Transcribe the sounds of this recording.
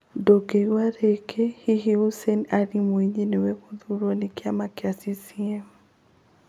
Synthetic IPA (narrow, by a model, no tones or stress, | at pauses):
doɡewaɾekʰehiɦiusɛnaɾimweɲenewɛɣoðuɾwɔnekeamakeasisiɛmu